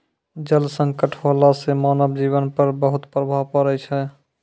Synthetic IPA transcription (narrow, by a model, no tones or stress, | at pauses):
d͡ʒəlsə̃ŋkəʈʰɦalasemanəbd͡ʒiβənpəɾbəɦut̪pɾəbʱapəɾəjt͡ʃʰɛ